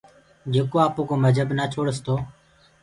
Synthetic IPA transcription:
d͡ʒeːkoːaːpoːkoːməd͡ʒʱəbnaːt͡ʃʰoːɽəst̪ʰoː

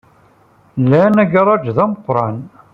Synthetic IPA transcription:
lːænæɡɑɾˤɑd͡ʒðæməqːɾˤɑn

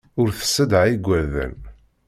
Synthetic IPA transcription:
ʊɾθə̥sːəd̪ʕiɡʷæðə̰n

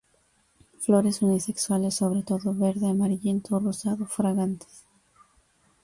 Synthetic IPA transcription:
flo̞ɾe̞sunise̞kswale̞sːo̞β̞ɾe̞t̪o̞ðo̞βe̞ɾðe̞amaɾiʎe̞nt̪ʰorosaðofɾaɣant̪e̥s

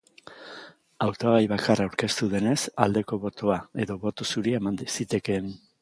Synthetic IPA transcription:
awt̪oaβajβakarauɾke̞st̪uðe̞ne̞sald̪e̞ko̞βo̞t̪oae̞ðo̞βo̞t̪osuɾiemand̪sit̪e̞ke̞n

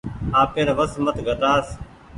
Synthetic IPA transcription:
aːpeːɾʋəsmət̪ʰɡʱət̪aːs

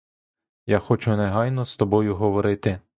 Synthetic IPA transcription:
jaxɔt͡ʃʊneɦɑjnɔst̪ɔbɔjʊɦɔʋɔɾɪt̪ɪ

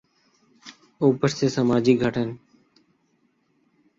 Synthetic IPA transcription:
uːpəɾseːsəmaːd͡ʒiːɡʱəʈʰən

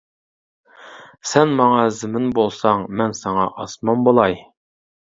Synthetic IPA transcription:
sɛnmɑŋɑzɪmɪnbolˠsɑŋmɛnsɑŋɑ̰ʔɑsmɑnbolˠɑj

